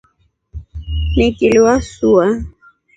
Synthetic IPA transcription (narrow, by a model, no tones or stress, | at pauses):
nɛkiluwasua